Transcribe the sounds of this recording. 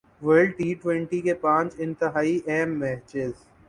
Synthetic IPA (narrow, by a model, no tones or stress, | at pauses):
ʋəɾɖʈiːʈwɛ̃ɳʈikepãːt͡ʃɪ̃nt̪əɦaːiʔɛːmːɛːt͡ʃɪz